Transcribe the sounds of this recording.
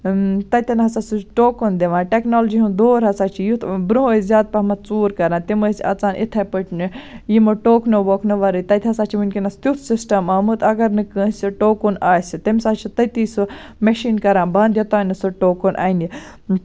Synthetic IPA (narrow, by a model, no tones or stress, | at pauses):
t̪ɐt̪ʲɐnɐɦɐsasuʈoːkond̪eʋãːnʈeknoːld͡ʒiɦũd̪oːɾɦɐsaːt͡ʃʰijut̪ʰbɾuɦojzʲaːd̪̚pɐmɐt̪t͡suːɾkɐɾãːt̪imɐsiɐ̰t͡saːnʔḭt̪ʰɐpɐʈʰnɨjimoʈoːknoʋoːkʰnɨʋɐɾɨjt̪ɐt̪ʲɦɐsaːt͡ʃʰiʋunkʲinɐst̪ʲjut̪ʰsisʈɐmɐmɨt̪ɐɡɐɾnɨkə̃ːsʲiʈoːkunaːsʲit̪ɐmsaːt͡ʃʰit̪ɐt̪isɨ | meʃiːnkɐɾãːnbɐnd̪jɐt̪aːnɨsɐʈoːkonʔa̰ːni